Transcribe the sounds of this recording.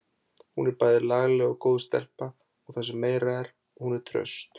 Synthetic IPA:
hunɛɾpaːjðɪɾlaɣlɛɣɔɣkowðst̪ɛ̰l̥pa | ɔɣθas̬ɛmːeːjɾaɛɾ | ɔhunɛɾ̥t̪ʰɾœ̰st̪

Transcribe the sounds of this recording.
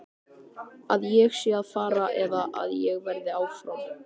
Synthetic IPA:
aðjɛɣsjɛaðfaːɾaʔɛðaʔa̰ðjɛɣvɛɾðɪaːwfɾawm

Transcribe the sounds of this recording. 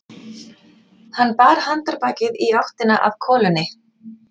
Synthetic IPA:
hanːpaːɾ̥hant̪aɾpaːcɪðiawht̪ɪnaʔað̥kʰɔːlʏnːɪ

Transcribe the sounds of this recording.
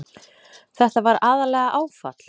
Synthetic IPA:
θɛht̪avaɾaðalɛɣaʔaːwfa̰t̪l̥

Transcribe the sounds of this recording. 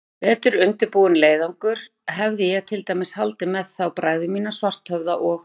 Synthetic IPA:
vɛːt̪ʏɾʏnt̪ɪɾpuwʏnleːjðaŋkʏɾ̥ | ɦɛvðɪjɛɣt̪ʰɪlt̪ajmɪshalt̪ɪmɛðθawpɾaːjɣðʏmiːnasvar̥t̪hœvðaʔɔɣ

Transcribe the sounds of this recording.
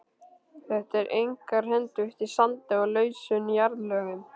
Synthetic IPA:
θɛht̪ɛɾʔejŋkaɾ̥hɛnt̪ʏɪht̪isant̪ɪɔɣlœːɥsʏnijaɾðlœːɣɪn

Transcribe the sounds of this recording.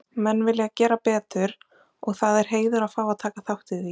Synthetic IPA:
mɛnːvɪljɪɣacɛːɾapɛːt̪ʏɾ̥ | ɔɣθaðɛɾ̥ɦeːjðʏɾafaːwaðt̪ʰaːkaθawht̪ɪi

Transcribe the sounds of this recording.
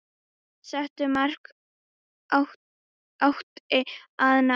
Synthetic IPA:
sɛht̪ʏmar̥k | h | awht̪ɪaðna

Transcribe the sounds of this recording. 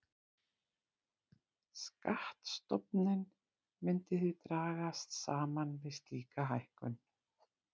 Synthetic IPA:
skaht̪st̪ɔpnɪn | mʏnt̪ɪθɪðt̪ɾaːɣast̪saːmanvɪðst̪iːkaɦajhkʏn

